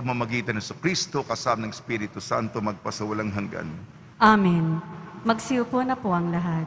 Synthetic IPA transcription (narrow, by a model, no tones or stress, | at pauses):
ɐɡ̚mamɐɡiːt̪ɐnhɛsʊkɾist̪okɐsamɐnɐŋspiɾɪt̪usa̰nt̪omɐɡ̚pɐsɐwɐlaŋɦɐŋɡa̰n | ʔaminmɐɡsɪjʊponɐpoʔɐŋlɐɦat̪̚